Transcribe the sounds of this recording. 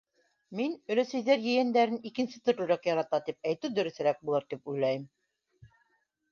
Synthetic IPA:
minɵ̆læsɘ̆jðæɾjɘ̆jænd̪æɾɘnikɘ̆nsɘt̪ŏɾɾŭɾækjɑɾɑt̪ɑt̪ip̚æjt̪ɘd̪ɵ̆ɾɵ̆θɘ̆ɾæk̚bulˠɤɾt̪ipujlˠæjɘm

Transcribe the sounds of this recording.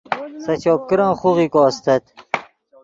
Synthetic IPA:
sɐt͡ɕoːp̚kiɾɑ̃ːχuʁikoːst̪ɐt̪

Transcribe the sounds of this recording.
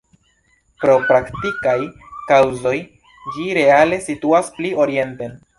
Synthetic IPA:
pɾo̞pɾaktikaj | kawzo̞j | d͡ʒiɾe̞ale̞situasplio̞ɾie̞nte̞n

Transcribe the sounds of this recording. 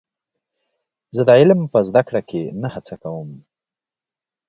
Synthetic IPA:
zəd̪əʕɪlmpəzd̪akɽakʰenahat͡sakawəm

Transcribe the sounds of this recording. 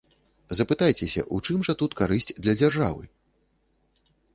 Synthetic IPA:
zɐpɨt̪ajt͡sʲɛsʲɐ̰ʔut͡ʂɨmʐɐt̪ut̪kaɾɨsʲt͡sʲd̪lʲɐd͡zʲarʐa̰vɨ̰

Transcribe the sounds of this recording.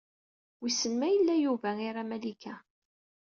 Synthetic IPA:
wisənmæjəlːæjuvæiɾamælikʰæ

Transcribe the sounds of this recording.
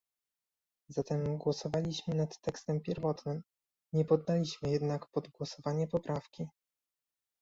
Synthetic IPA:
zat̪ɛmɡwɔsɔvalʲiɕmɘnat̪ːɛkst̪ɛmpʲjɛɾvɔt̪nɘm | ɲɛpɔd̪ːalʲiɕmɘjɛd̪nakpɔd̪ɡwɔsɔvaɲɛpɔpɾafkʲi

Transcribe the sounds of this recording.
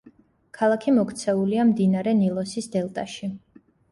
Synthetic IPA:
kʰalˠakʰimɔkʰt̪sʰɛuliamd̪inaɾɛnilˠɔsisd̪ɛlˠt̪ʼaʃi

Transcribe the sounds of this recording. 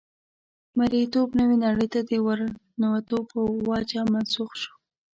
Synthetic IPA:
maɾit̪obnəwinaɽəjt̪ad̪əwaɾ | nawat̪obəwɑd͡ʒamansuxʃu̥

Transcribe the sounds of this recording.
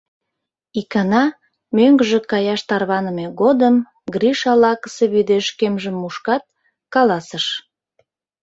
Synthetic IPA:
ikɑnɑ | møŋɡəʒĕkɑjɑʃt̪ɑrβɑnəmeɣod̪əm | ɡriʃɑlɑkə̥seβyd̪eʃkemʒəmːuʃkɑt̪̚ | kɑlɑsəʃ

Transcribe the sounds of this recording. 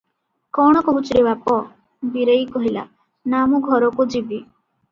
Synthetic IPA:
kɔɽ̃ɔkɔɦut͡ʃiɾebapɔ | biɾejkɔɦila̰ | namuɡʱɔɾɔkud͡ʒibi

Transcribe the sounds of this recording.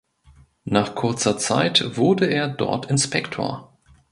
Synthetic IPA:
naːχkʰʊɐt͡sɐt͡sa̰ɪtv̥ʊɐdəeːɐdɔ̰ɐtɪnspɛktʰo̰ːɐ

